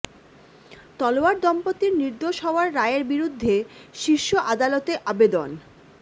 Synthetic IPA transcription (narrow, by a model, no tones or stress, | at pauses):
t̪ɔlowaɾd̪ɔmpot̪ːiɾniɾd̪oʃɦɔoaɾːaeɾbiɾud̪ʱːeʃiɾʃoʔad̪alɔt̪eʔabed̪on